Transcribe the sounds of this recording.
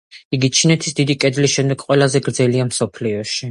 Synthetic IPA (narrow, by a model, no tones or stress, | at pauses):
iɡit͡ʃʰinɛt̪ʰi̥sd̪id̪ikʼɛd̪lisʃɛmd̪ɛɡqʼwɛlˠazɛɡɾd̪zɛliamsɔpʰliɔʃi